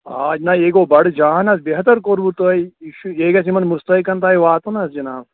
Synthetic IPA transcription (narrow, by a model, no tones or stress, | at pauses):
aːd͡ʒnaeːɡoːbɐɽd͡ʒaːnɐsbeɦɐt̪ɐɾkoːɾbuɾt̪oɐjiʃueːɡɐs̬imɐnmust̪ɐikɐnt̪̬aːiʋaːt̪unɐsd͡ʒinaːs